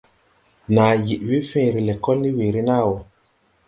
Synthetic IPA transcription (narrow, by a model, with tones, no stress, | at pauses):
naː˨ji˨ʔwi˦fẽ˦˨ɾi˨lɛ˨kɔ˦lni˦we˨ɾi˦na˦˨wo˨